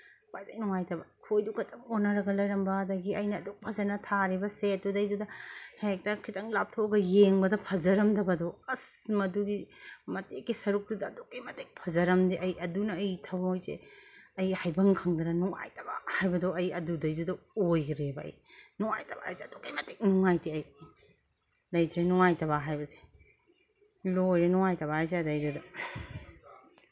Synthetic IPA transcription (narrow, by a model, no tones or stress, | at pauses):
wajtɐjnuŋajtɐbakʰojduɡɐtɐmonːɐɾɐɡɐlɐjɾɐmbɐdɐɡiɐjnɐːduk̚pʰɐzɐɾnɐtʰaɾibɐset̚dudɐjdudɐhaek̚tɐkʰitɐŋlap̚tʰoɡɐjeŋbɐdɐpʰɐzɐɾɐmdɐbɐdɔɐsmɐduɡimɐtekːisɐɾuk̚dudɐːdukɐjmɐtek̚pʰɐzɐɾɐmdiʔɐjʔɐdunɐːjtʰɐwmojzḛɐjhajbɐŋkʰaŋdɐnɐnuŋa̰jtʰɐba̰hajbɐdoɐjɐdudɐjdudɐojɡɾebɐɐ̰j | nuŋa̰jtɐba̰hajseɐdokɐjmɐtek̚nuŋajtiɐj | lɐjtʰɾenuŋajtɐβaɦajbɐse̥ | lojɾenuŋajtɐβaajzadɐjdudɐ